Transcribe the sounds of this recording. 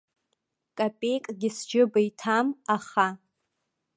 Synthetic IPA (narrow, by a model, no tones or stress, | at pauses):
kʼapʼe̞jkʼɡʲɪsd͡ʒɪbajtʰamaχa